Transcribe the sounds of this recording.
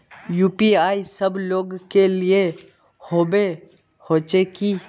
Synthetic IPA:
juːpiaːisəbloːɡkelɪe | hoːbe | hoːt͡ʃeki

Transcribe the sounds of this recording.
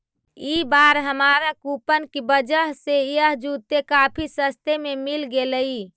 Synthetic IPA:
ibaɾɦəmaɾakupənkibəd͡ʒəɦseijəɦd͡ʒut̪ekapʰisəst̪ememilɡeləi

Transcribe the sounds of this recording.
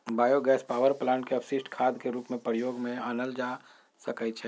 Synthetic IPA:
baːjoɡɛːspaːwəɾplaːɳʈkeɐpʰsɪsʈkʰaːd̪keɾuːpmẽpəɾjoːɡmẽaːnəld͡ʒa | səkət͡ʃʰɛː

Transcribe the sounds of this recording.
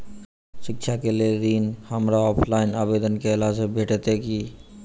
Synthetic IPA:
ʃɪkt͡ʃʰakeleɾiːnhəmɾaɔːpʰlaɪnaːbed̪ənkeɪlasebʱeʈet̪eki

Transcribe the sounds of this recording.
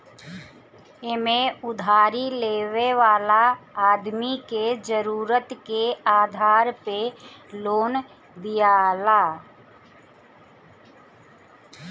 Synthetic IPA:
ɪmẽʊd̪ʱaːɾileːʋeʋaːlaːd̪miked͡ʒəɾuːɾət̪keaːd̪ʱaːɾpeloːn | d̪ijalaː

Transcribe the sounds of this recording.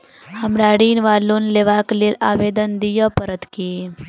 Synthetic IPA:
hɐmɾaːɽiːnʋaːloːnleːʋaːklilaːʋeːd̪ənd̪ijəpɐɾət̪kie

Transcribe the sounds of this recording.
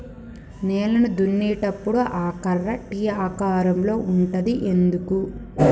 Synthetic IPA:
nɛːlɐnud̪unːiːʈɐpːuɽuʔaːkɐrːɐʈiːaːkaːɾɐmlo̞ːuɳʈɐd̪iʔe̞nd̪uku

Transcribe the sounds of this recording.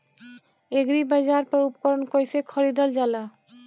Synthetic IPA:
eɡɾibad͡ʑaɾpɔɾupkɔɾonkoesʰekʰɔɾid̪ɔld͡ʑala

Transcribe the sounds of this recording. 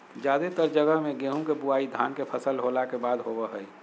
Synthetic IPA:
d͡ʒjaːd̪et̪əɾd͡ʒəɡəɦmẽɡeːɦũkebuaːid̪ʱa̰ːnkepʰəsəlɦoːlakebaːd̪ɦoːbəɦəi

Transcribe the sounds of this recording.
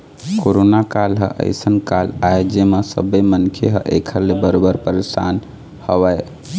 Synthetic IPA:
koɾonakalɦə̰̃ʔə̰ɪsənkalaejd͡ʒemesə̰bəjmənkʰeɦə̃ʔḛkʰəɾlebəɾobəɾpəɾesa̰n | həʋəj

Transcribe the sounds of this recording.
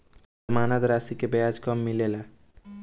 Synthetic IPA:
əmanət̪ɾasikebjad͡ʒkʌmːilela

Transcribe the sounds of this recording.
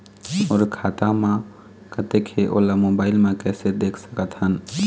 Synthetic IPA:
oɾkʰat̪amẽ | kət̪ekʰeʔo̰lamobaɪlmẽkɛsed̪ekʰsə̥kət̪ɦən

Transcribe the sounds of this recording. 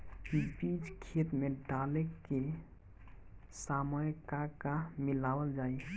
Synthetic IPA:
pipid͡ʒkʰet̪meɖalekːe | saməjkakamilawəld͡ʒai

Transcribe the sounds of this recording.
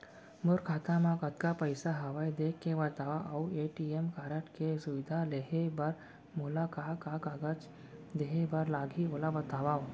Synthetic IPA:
mʊɾkʰaːt̪amãkət̪kapəjsaɦəʋajd̪ekːeʋɐt̪aʋaʔaueʈiemkaɾəʈkesuʋid̪ʱaleɦebəɾ | mulakakakaɡət͡ʃ | d̪eɦebəɾlaɡʱiolabɐt̪aʋao

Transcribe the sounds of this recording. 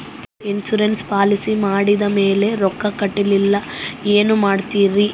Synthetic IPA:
insuɾenspaːlisimaːɽid̪ɐme̞ːle̞ɾɔkːɐkɐʈːililːɐeːnumaːɽt̪iːɾi

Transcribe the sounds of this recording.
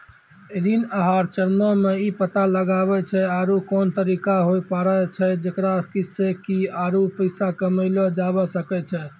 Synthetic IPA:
ɾinaɦaɾt͡ʃəɾmɔmeipət̪aləɡaβɛt͡ʃʰɛaɾukɔnt̪əɾikaɦojpaɾɛt͡ʃʰɛd͡ʒekɾakisekiaɾupəɪsakəməɪlɔd͡ʒabɔsəkɛt͡ʃʰɛ

